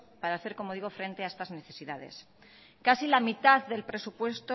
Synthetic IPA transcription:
paɾaːθe̞ɾko̞mo̞ð̞iɣ̞o̞fɾe̞nt̪eae̞st̪azne̞θe̞siðaðe̞̰s | kasilamit̪aððe̞lpɾe̞supwe̞st̪o

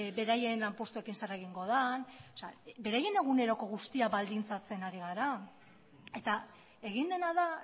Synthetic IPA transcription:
be̞ɾaje̞nlampo̞st̪ue̞kinsareɣ̞iŋɡo̞ð̞anosabe̞ɾaje̞ne̞ɣ̞une̞ɾo̞ko̞ɣ̞ust̪iaβald̪int͡sat͡se̞naɾiɣaɾa | e̞t̪a | e̞ɣ̞ind̪e̞naða

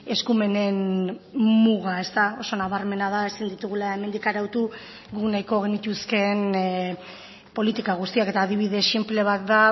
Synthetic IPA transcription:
e̞skume̞ne̞n | muɣae̞st̪ao̞so̞naβaɾme̞nað̞aesind̪it̪uɣ̞ulae̞mend̪ikaɾawt̪u | ɡunajko̞ɣ̞e̞nit̪uske̞n | po̞lit̪ikaɣ̞ust̪iake̞t̪aːðiβ̞iðe̞sʃimple̞β̞at̪d̪a

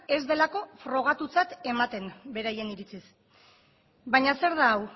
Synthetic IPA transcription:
e̞zðe̞lako̞fɾo̞ɣ̞at̪ut͡sat̪e̞mat̪e̞nbe̞ɾaje̞niɾit͡sis | βajɲase̞ɾðaːw

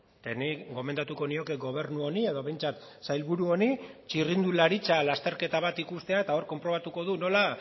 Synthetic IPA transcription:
t̪eniɡo̞me̞nd̪at̪uko̞nio̞keɡo̞β̞e̞ɾnuo̞nie̞ðo̞βejnt͡sat̪ | sajlβuɾuo̞nit͡ʃirind̪ulaɾit͡salast̪e̞ɾke̞t̪aβat̪ikust̪e̞aet̪ao̞ɾko̞mpɾo̞β̞at̪uko̞ð̞uno̞la

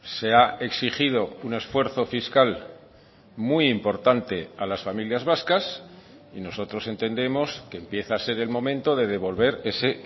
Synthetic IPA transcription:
se̞ae̞ksiχið̞o̞une̞sfwe̞ɾθo̞fiskal | mujimpo̞ɾt̪ant̪e̞alasfamiljazβaskas | ino̞so̞t̪ɾo̞se̞nt̪e̞nd̪e̞mo̞ske̞ːmpje̞θaːse̞ɾe̞lmõ̞mẽnt̪o̞ðe̞ð̞e̞β̞o̞lβe̞ɾe̞se̞

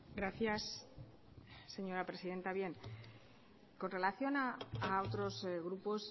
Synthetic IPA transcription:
ɡɾaθjas | e̞ɲo̞ɾapɾe̞siðe̞nt̪aβje̞n | ko̞nre̞laθjo̞naːot̪ɾo̞zɣɾupo̞s

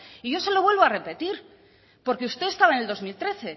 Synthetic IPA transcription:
iʝo̞se̞lo̞βwe̞lβo̞are̞pe̞t̪iɾ | po̞ɾkeust̪e̞est̪aβaene̞ld̪o̞zmilt̪ɾe̞θe̞

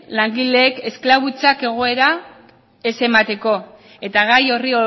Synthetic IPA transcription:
laŋɡile̞ːke̞sklaβut͡sake̞ɣ̞o̞e̞ɾa | e̞se̞mat̪e̞ko̞ | e̞t̪aɣajo̞rio

